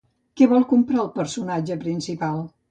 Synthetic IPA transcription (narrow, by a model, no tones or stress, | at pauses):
kɛβɔlˠkumpɾaəlˠpəɾsunad͡ʒəpɾinsipalˠ